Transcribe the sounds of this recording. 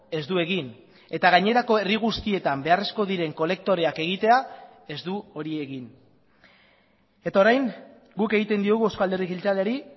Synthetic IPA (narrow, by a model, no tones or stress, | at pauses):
e̞zd̪ue̞ɣin | e̞t̪aɣaɲe̞ɾako̞e̞riɣ̞ust̪ie̞t̪ambe̞are̞sko̞ðiɾe̞ŋko̞le̞k̚t̪o̞ɾe̞ake̞ɣ̞it̪e̞a | e̞zd̪uo̞ɾie̞ɣin | e̞t̪ao̞ɾajŋ | ɡuke̞ɣit̪e̞nd̪ioɣuewskoald̪e̞rikilt͡saleaɾi